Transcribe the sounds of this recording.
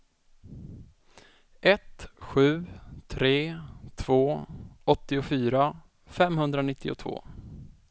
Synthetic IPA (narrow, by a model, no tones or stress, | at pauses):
ʔɛt̪ɧʉ̟ːt̪ʰɾeːt̪ʰv̥oːɔt̪ːɪʊfyːɾa | fɛmhɵnd̪ɾanɪt̪ʰːɪʊ̰t̪ʰvo̰ː